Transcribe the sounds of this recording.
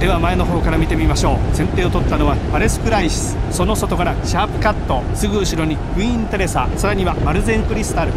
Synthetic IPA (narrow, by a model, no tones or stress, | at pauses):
d̪̥e̞βamae̞no̞ɦo̞ːkaɾamʲit̪e̞mʲimaɕo̞ːsẽ̞nt̪e̞ːo̞t̪o̞t̪ːano̞βapaɾe̞sɨ̥kɯ̟ɾaiɕi̥sɨ̥so̞no̞so̞t̪o̞kaɾaɕaːpɯ̟̥kat̪ːo̞sɨɡɯ̟ɯ̟ɕiɾo̞ɲ̟ikɯ̟iĩnt̪oɾe̞sa̰ːsaɾaɲ̟iβamaɾɯ̟zẽ̞ŋkɯ̟ɾʲisɨ̥t̪aɾɯ̟